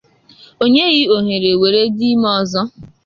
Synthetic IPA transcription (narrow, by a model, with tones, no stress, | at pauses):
o˦ɲe˦ɣɪ˦o˨ɦe˨ɾe˨we˨ɾe˦di˦mɔ˦˨zɔ˦